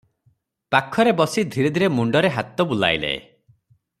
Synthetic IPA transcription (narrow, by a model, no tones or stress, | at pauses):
pakʰɔɾebɔsid̪ʱiɾed̪ʱiɾemuɳɖɔɾeɦat̪ɔbula̰jlḛḛ